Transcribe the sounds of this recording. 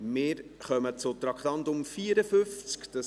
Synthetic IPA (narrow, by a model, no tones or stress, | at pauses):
mɪːɾχœmət͡sʊt̪ɾɑkχt̪ɑnt̪ʊmfiːəɾəfʏft͡skd̥̪ə